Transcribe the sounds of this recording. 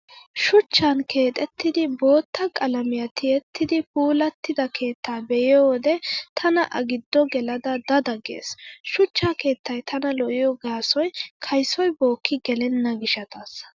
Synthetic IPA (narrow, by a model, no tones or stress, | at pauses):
ʃʊt͡ʃːɐnkʰe̞ːt̪ʼɛt̪ːɪd̪ɪbo̞ːt̪ːɐkʼɐlɐmɪjɐt̪ʰɪɛt̪ʰːɪd̪ɪpuːlɐt̪ːɪd̪ɐkʰe̞ːt̪ːaːbɛjɪjod̪ɛt̪ʰɐnɐ̰ʔɐɡɪd̪ːɔɡɛlɐd̪ɐd̪ɐd̪ɐɡḛːsʃʊt͡ʃːaːke̞ːt̪ːɐjt̪ʰɐnɐlɔʔɪjɔɡaːsɔjkʰɐjsɔjbo̞ːkːɪɡɛlɛnːɐɡɪʃɐt̪ɐs